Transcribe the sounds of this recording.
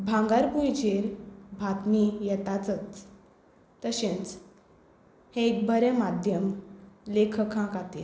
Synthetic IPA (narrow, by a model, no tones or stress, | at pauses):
bʱãŋɡaɾpujt͡ɕeɾbʱat̪nijɛt̪at͡sət̪ː | əɕẽnt͡s | hẽek̚bəɾɛmad̪ʱjəmlekʰəkʰãkat̪e